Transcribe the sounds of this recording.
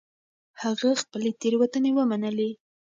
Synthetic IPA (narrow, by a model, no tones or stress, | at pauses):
haɣaxpəlet̪eɾwat̪ənewəmanəle